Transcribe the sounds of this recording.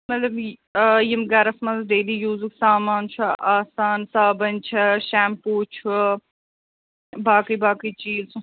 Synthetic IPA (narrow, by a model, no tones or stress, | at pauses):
mɐt̪lɐbjimɡɐɾɐsmɐzɐɖ̪eːliːjuːzuksaːmaːnt͡ʃʰuʔaːsaːnsaːbɐnʲt͡ʃʰɐʃaːmpuːt͡ʃʰu | baːkɨjbaːkɨjt͡ʃiːzs